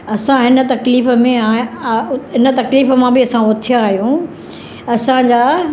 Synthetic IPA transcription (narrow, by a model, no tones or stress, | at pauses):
ɐsãɦɪnə̆t̪ɐkliːfə̆mẽ | ɦɪnə̆t̪ɐkliːfəmãbɪɐsãʊt̪ʰijaːɦijũ | ɐsãd͡ʑaː